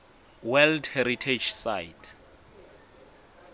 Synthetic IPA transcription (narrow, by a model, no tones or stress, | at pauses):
wɛldhɛɾitʰed͡ʒsajtʰ